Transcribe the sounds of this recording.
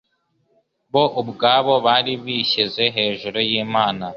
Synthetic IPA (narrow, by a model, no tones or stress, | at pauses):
βo̞ʔubɡaːβo̞βaːɾiβiːɕeze̞ɦe̞ːʒuɾojiːmaːna